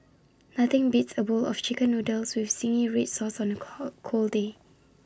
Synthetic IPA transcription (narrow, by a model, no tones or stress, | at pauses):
naθɪ̃ŋbitsəbulɔ̰ft͡ʃikə̃nːodɛlswifsĩŋĩɹitsɔsɔ̃nəkʰolde